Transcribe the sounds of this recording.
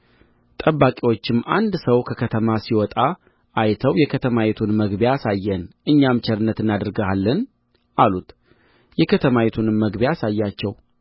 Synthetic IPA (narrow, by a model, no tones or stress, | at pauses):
t̪ʼəβːakʼiwo̞t͡ʃːɪmːa̰nd̪səwkʰəkʰət̪ʰəmasiwɔt̪ʼa | ʔajt̪ʰəwjɛkʰət̪ʰəmawet̪ʰunməɡbjasajːɛnʔɨɲːamt͡ʃʰɛɾɨnːət̪ɨnːad̪ɨɾɡəalːən | ʔalut̪ | jɛkʰət̪ʰəmawet̪ʰunməɡbeasajːat͡ʃːɛw